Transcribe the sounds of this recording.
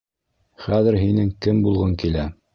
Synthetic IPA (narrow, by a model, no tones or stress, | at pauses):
χæðɘ̆ɾɦinɘŋkɘmbulˠʁɤŋkilæ